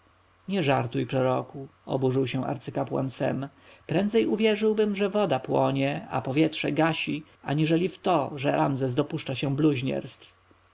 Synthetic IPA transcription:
ɲɛʐaɾt̪ujpɾɔɾɔkuɔ̰buʐɘwɕɛ̃w̃ʔa̰ɾt̪sɘkapwa̰nsɛ̰m | pɾɛnd̪zɛjuvʲjɛʐɘwbɘmʐɛvɔd̪apwɔɲɛa̰pɔvʲjɛtʂɛɡaɕi | aɲiʐɛlʲift̪ɔʐɛɾʔamzɛs̬d̪ɔpuʂt͡ʂaɕɛ̃bluʑɲɛ̰ɾst̪f

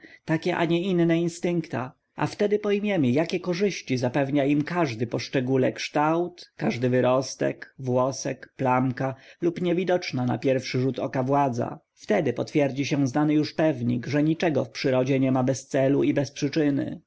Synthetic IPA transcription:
t̪akʲɛʔa̰ɲɛinːɛinst̪ɘŋkt̪a̰ | ʔa̰ft̪ɛd̪ɘpɔjmʲjɛmijakʲɛkɔʐɘɕt͡ɕizapɛvɲaimkaʐd̪ɘpɔʂt͡ʂɛɡulɛkʂt̪awt̪ːaʐd̪ɘvɘɾɔst̪ɛ̰kvwɔsɛkplamkalupɲɛvʲid̪ɔt͡ʂnana̰pʲjɛɾfʂɘʐut̪ɔ̰kavwad̪za̰ | ft̪ɛd̪ɘpɔt̪fʲjɛɾd͡ʑiɕɛ̃znanɘjuʂpɛvɲikʐɛɲit͡ʂɛɡɔfpʂɘɾɔd͡ʑɛɲɛmabɛst̪sɛluibɛspʂɘt͡ʂɘnɘ̰

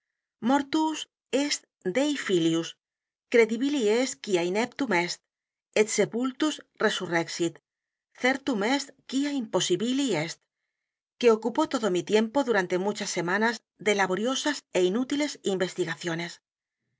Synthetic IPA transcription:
moɾt̪us | est̪ | d̪ejfiljus | kɾeðiβilieskiainep̚t̪umest̪̚ | et̪sepult̪usresureksit̪ | θeɾt̪umest̪kiaimpo̞siβiliest̪̚ | ke̞okupot̪oðomit̪je̞mpoðuɾant̪e̞mut͡ʃasːe̞manaz | ðe̞laβoɾjo̞sase̞inut̪ile̞simbe̞st̪iɣaθjo̞ne̞s

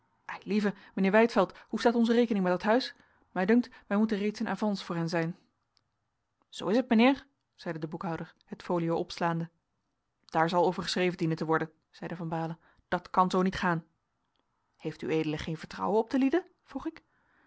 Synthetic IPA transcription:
ʔɛjlivə | mənɪːɹʋɛjtfɛlˠthustaːtɔnzərejkənɪŋmɛtdɑtɦœɥs | mɛjdɵŋk̚tʋɛjmutərejtsəna̰ːvɑnsfʊːɹɦɛnzɛjn | z̥o̰wɪsətmənɪːɹ | z̥ɛjdədəbukɦɑwdəɹhətfoːlijowʔɔpslaːndə | d̥aːɹzɑlˠowvəɹχəsreːjvəndinəntəʋɔɹdən | z̥ɛjdəvɑnbaːlə | d̥ɑtkɑnzownitχaːn | hejfty̰eːjdələχejnvəɹtrʌ̰wənɔp̚təlidə | v̥ruχɪk

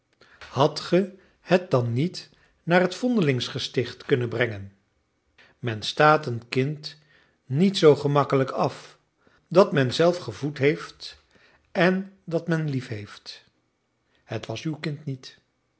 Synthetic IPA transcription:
hɑtχə | hət̚dɑnːit | naːrɦətfɔndəlɪŋsχəstɪχtkɵnənbrɛŋən | mɛnstaːtənkɪnt | nitsowχəmɑkələkɑf | dɑtmɛnzɛlˠfχəvutɦejft | ʔɛndɑtmɛnlifɦejft | hətʋɑsywkɪntnit

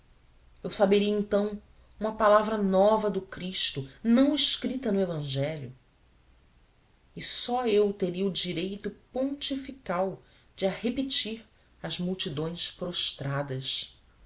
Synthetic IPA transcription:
ewsabeɾiɐẽt̪ɐ̃w̃ | ũmɐpalavɾɐnɔvɐd̪ʊkɾiʃt̪ʊnɐ̃w̃ɪʃkɾit̪ɐnʊevɐ̃ʒɛlʊ | ɪsɔewt̪eɾiɐʊd͡ʒiɾejt̪ʊpõt͡ʃifikaw | d͡ʒɪahepet͡ʃiɾ | ɐzmuwt͡ʃid̪õj̃spɾoʃt̪ɾad̪ɐs

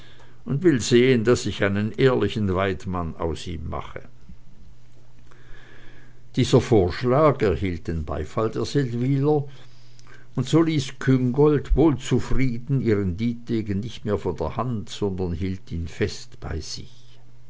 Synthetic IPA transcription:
ʔʊndv̥ɪlzeːəndasɪçaɪnənʔeːɐlɪçn̩vaɪtmana̰ʊsḭːmːa̰χə̰ | d̥iːzɐfoːɐʃlaːɡɛɐhiːlt̚d̥eːnba̰ɪfaldeːɐz̥ɛltviːlɐ | ʊntz̥oːliːskʰʏŋɡɔltvoːlt͡sufʁiːdn̩iːʁəndiːtdeːɡənnɪçtmeːɐfoːndeːɐhantz̥ɔndɐnhiːltiːnfɛstb̥a̰ɪz̥ɪ̰ç

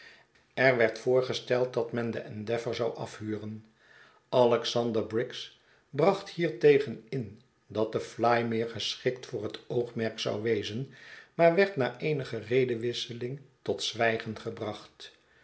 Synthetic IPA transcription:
ɛɹʋɛɹtfʊːɹχəstɛlˠt̚dɑtmɛndəʔɛndɛfəɹzɑwʔɑ̰fhyːrən | ʔɑlɛksɑndəɹbrɪks | brɑχthiːɹtejχənɪn | dɑt̚d̥əflajmɪːɹχəsχɪktfʊːɹɦətowχmɛɹksɑ̰wʋejzənmaːɹʋɛɹtnaːʔejnəχərejdəʋɪsəlɪŋtɔtsʋɛjχənχəbrɑχt

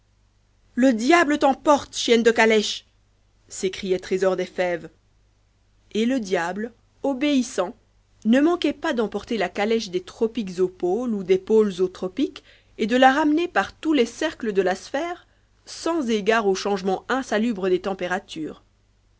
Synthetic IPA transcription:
ləd̪jablət̪ɑ̃pɔʁt̪ʃjɛnd̪əkalɛʃ | sekχijɛt̪χezɔʁd̪ɛfɛv | eləd̪jabl | ɔbeisɑ̃ | nəmɑ̃kɛpad̪ɑ̃pɔʁt̪elakalɛʃd̪et̪χɔpikzopolud̪epolzot̪χɔpik | ed̪əlaʁamnepaʁt̪ulɛsɛʁkləd̪əlasfɛːʁ | sɑ̃zeɡaʁoʃɑ̃ʒmɑ̃ɛ̃salybʁəd̪et̪ɑ̃peʁat̪yːʁ

